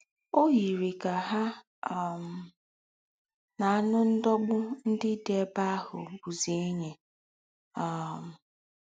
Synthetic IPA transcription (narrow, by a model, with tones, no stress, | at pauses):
o˦ɦi˨ɾi˨ka˨ɦa˦˨ | m̩˨ | na˨a˦nʊ˦n̩˦dɔ˦ɡ͡bʊ˦n̩˦dɪ˦de˨e˦ba˦a˦ɦʊ̰˨bu˨ze˨˦e˦ɲe˨ | a˦m̩˨